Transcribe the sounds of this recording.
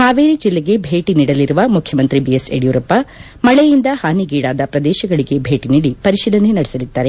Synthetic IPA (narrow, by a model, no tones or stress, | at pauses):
haːʋeːɾid͡ʒilːeɡe̞bʱe̞ːʈiniːɽɐliɾuʋɐmukʰjɐmɐnt̪ɾibijesḛɽijuːɾɐpːɐ | mɐɭejind̪ɐhaːniɡiːɽaːd̪ɐpɾɐd̪ɛːʃɐɡɐɭiɡe̞bʱeːʈiniːɽipɐɾiʃiːlɐnenɐɽesɐlid̪̥ːaːɾe